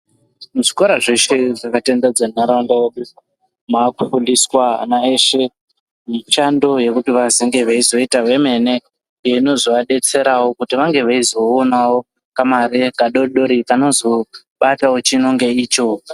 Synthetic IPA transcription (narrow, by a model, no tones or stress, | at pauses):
mʐikoɾaʐeʃeʐakatendad͡zanaɾaundawoɗia | makufuliswanaeʃe̞ | miʃando̞je̞kutiʋaziŋɡe̞ʋeizo̞itawe̞me̞ne̞ | jeino̞zoaɗe̞t͡se̞ɾawokutiʋaŋɡe̞ʋaizo̞ːnawo̞ | kamaɾekaɗo̞ɗoɾikano̞zo | ɓatawot͡ʃino̞ŋɡe̞iːt͡ʃo